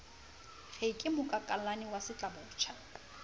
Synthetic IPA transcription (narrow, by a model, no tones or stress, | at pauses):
ɣeikʼɪmʊkʼakʼalanɪwasɪt͡ɬʼabʊːt͡ʃʰa